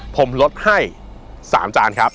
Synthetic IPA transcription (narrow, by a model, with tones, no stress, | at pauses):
pʰo˨˩˦mlo˦˥t̪̚ha˥˩j | sa̰ː˩˦mt͡ɕaː˧nkʰɾa˦˥p̚